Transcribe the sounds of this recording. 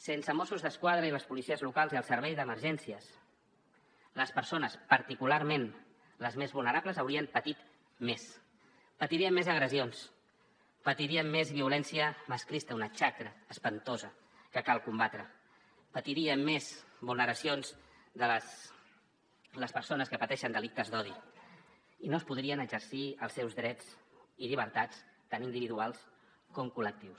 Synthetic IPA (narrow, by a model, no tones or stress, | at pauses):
sensəmɔsuzðəskwað̞ɾəiləspulisiəzlukalˠziəlˠsəɾβ̞ɛjðəməɾʒɛnsiəs | ləspəɾsonəspəɾt̪ikulaɾmen | ləzmezβulˠnəɾabləzawɾiəmpət̪it̪ | mes | pət̪iɾiəmːezəɣ̞ɾəzions | pət̪iɾiəmːezβiulɛnsiəməskɾist̪əunət͡ʃakɾəːspənt̪ozə | kəkalˠkumbat̪ɾə | pət̪iɾiəmezβulnəɾəsionz | d̪ələs | ləspəɾsonəskəpət̪ɛʃənd̪əlik̚t̪əzd̪ɔði | inoəspuð̞ɾiənəɡzəɾsiəlˠsɛwzðɾɛt͡siʎiβ̞əɾt̪at͡st̪anind̪iβiðualˠs | kɔmkulək̚t̪iws